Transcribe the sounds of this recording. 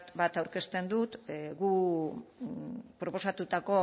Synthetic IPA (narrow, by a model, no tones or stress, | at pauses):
t̪βat̪awɾke̞st̪e̞nd̪ut̪ɡu | pɾo̞po̞sat̪ut̪ako̞